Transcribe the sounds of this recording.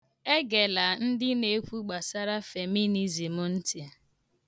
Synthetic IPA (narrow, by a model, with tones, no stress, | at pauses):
e˦ɡe˨la˨n̩˦dɪ˦ne˨˦kʷu˦ɡ͡ba˨sa˦ɾa˦fe˨mi˦ni˦zi˨mʊ˨n̩˦ti˨